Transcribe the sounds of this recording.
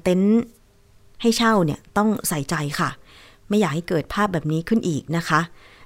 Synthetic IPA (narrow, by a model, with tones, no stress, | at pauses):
t̪e˦˥n | ha˥˩jt͡ɕʰa˥˩wni˥˩ɐt̪ɔ˥˩ŋsa˨˩˦jt͡ɕa˧jkʰa˥˩ | ma˥˩jːaː˨˩k̚ha˥˩jkɤː˨˩t̪̚pʰaː˥˩p̚bɛː˨˩p̚niː˦˥kʰɯ˥˩nʔiː˨˩k̚na˦˥kʰa˦˥ʔ